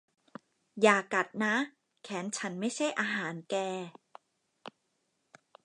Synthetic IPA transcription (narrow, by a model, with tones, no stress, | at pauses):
jaː˨˩ka˨˩t̪̚na˦˥ | kʰɛː˩˦˥nt͡ɕʰa˦˥nma˥˩jt͡ɕʰa˥˩jʔaː˧ɦaː˩˦nkɛː˧